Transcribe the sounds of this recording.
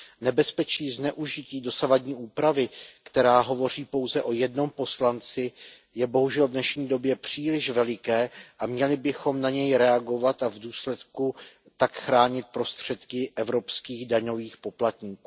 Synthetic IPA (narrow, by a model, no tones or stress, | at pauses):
nɛbɛspɛt͡ʃiːznɛʔuʒɪciːdo̞savadɲiːʔuːpɾavɪkt̪ɛɾaːɦo̞vo̞r̝iːpo̞wzɛʔo̞jɛdno̞mpo̞slant͡sɪ | jɛbo̞ɦuʒɛlvdnɛʃɲiːdo̞bjɛpr̝̥iːlɪʃvɛlɪkɛːʔamɲɛlɪbɪxo̞mnaɲɛjɾɛaɡo̞vat̪avduːslɛt̪ku | t̪akxɾaːɲɪt̪̚pɾo̞st̪r̝̥ɛt̪kɪʔɛvɾo̞pskiːɣdaɲo̞viːxpo̞plat̪ɲiːkuː